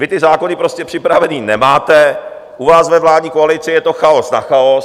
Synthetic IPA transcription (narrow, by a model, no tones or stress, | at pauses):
vɪt̪ɪzaːkonɪpɾoscɛpr̝̥ɪpɾavɛniːnɛmaːt̪ɛ | ʔuvaːsvɛvlaːd̪ɲiːkoalɪt͡sɪjɛt̪o̞xaosnaxaos